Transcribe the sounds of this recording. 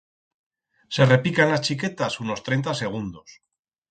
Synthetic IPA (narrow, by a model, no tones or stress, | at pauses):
se̞re̞pikanlast͡ʃiket̪asuno̞st̪ɾe̞jnt̪ase̞ɣ̞und̪o̞s